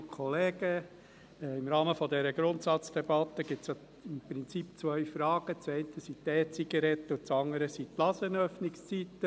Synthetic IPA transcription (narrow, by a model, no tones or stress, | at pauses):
kʰɔleːɡ̥ə | ɪmɾɑːməfɔd̪ɛɾəɡɾʊnt̪sɑt͡sd̥ɛbɑt̪ːəɡ̥ɪp̚t͡sja | ɪmpɾɪnt͡sipt͡sʋœɥfɾɑːɡ̥ət͡sɛɪnt̪ʰəsit̪ːɛːt͡siɡəɾɛt̪ːəʊt͡sɑŋəɾəsit̪lɑsənœfnɪkst͡sit̪ːə